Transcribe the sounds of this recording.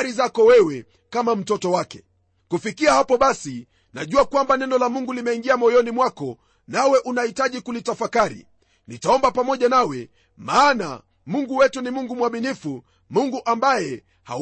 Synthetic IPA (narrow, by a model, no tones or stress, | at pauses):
ɾizakɔwɛwɛ | kamam̩tɔtɔwakɛ̰ | kufikiahapɔɓasi | naʄuakwambanɛnɔlamuŋɡulimɛiŋɡiamɔjɔnimwakɔ | nawɛʔunahitaʄikulitafakaɾḭ | nitaɔmbapamɔʄanawɛ | maːna̰ | muŋɡuwɛtunimuŋɡumwaminifu | muŋɡuʔambajɛ | ha̰